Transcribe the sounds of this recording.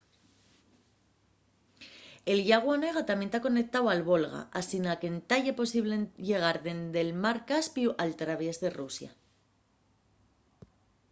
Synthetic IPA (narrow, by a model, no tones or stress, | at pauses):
e̞lʝaɣ̞wane̞ɣ̞at̪amje̞nt̪ako̞nek̚t̪awalβo̞lɣa̰ʔasinake̞nt̪aʎepo̞siβleʝe̞ɣ̞aɾðe̞nd̪e̞lmaɾkaspiuʔalt̪ɾaβezðe̞rusja̰